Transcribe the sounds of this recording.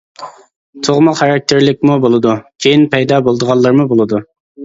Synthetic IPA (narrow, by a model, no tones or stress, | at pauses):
t̪ʰoʁmɑχɑɾɑk̚t̪ʰɪɾlɪk̚ʲmubolˠɨd̪ukʲʰejinpʰɛjd̪ɑːbolˠd̪əʁɑlˠːɑɾmubolˠɨd̪u